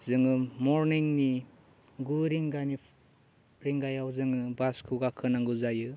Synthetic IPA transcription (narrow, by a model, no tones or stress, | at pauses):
zɯŋɯmɔɾniŋni | ɡuɾiŋɡani | ɾiŋɡajawzɯŋɯbaskʰuɡakʰɯnaŋɡuzajɯ